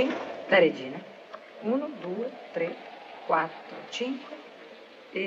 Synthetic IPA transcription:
iŋkd̪aɾed͡ʒiːna | unud̪uːet̪ɾekwat̪ːɾʊ̰t͡ʃiŋkwe | e

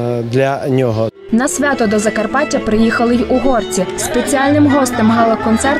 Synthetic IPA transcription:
d̪lʲɐnʲɔɦɔ | nɐsʲʋʲat̪ɔd̪ɔzɐkɐrpɑtʲːɐpɾɪjixɐlˠɪjuɦɔrt͡sʲispet͡sʲiɑlʲnɪmɦɔst̪ɪmɦɑlˠɐkɔnt̪sɛr

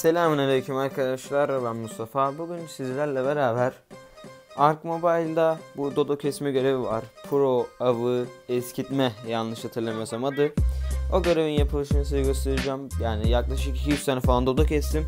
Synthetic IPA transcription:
se̞lʲaːmɯnaɾecʰimaɾkʰad̪aʃlˠaɾalˠammːust̪ʰafaːbuɟynsizlʲæɾlʲɛbeɾaːbæɾ̥ | aɾkmo̞bajlʲd̪abud̪o̞d̪ocʰɛsmiɟø̞ɾe̞vivaɾ̥pʰuɾo̞avɯɛscʰit̪mɛjanlˠɯʃhat̪ʰɯɾlˠamasamad̪ɯo̞ɟø̞ɾevinjapʰɯlˠɯʃɯnasɯjɯɡøst̪ʰeɾɯd͡ʒamjaːnijaklˠaʃɯkicʰijyt͡ʃt̪ʰaːnɛfalˠand̪o̞d̪ocʰɛst̪im

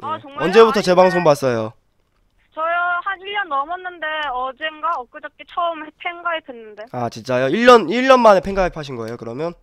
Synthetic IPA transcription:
aʌŋʌnd͡ʑe̞butʰʌt͡ɕe̞baŋsʰoŋbas͈ʌjo | t͡ɕʌjʌhaniɭjʌnːʌmʌnːɯnde̞ʌd͡ʑenɡaʌk͈ɯd͡ʑʌk͈it͡ɕʰʌɯmepʰeŋɡaetwenːɯnde̞at͡ɕint͡ɕ͈ajoiɭːʌniɭːʌnmanepʰe̞ŋɡaɦepʰaɕʰinɡʌe̞jokɯɾʌmjʌn

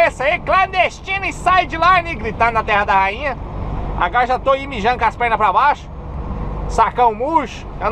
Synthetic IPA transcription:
esɐiklɐ̃nd̪est͡ʃĩnɐɪsajd͡ʒɪlaniɡɾit̪ɐ̃nd̪ʊnɐt̪ɛɦɐd̪ɐhaĩɲɐa̰ɡɔɾɐʒat̪oimiʒɐ̃nʊkaspɛɾnɐpɾɐbaʃʊ̥ | sakɐ̃w̃ʊ̃muʃʊ̥ɐ̃

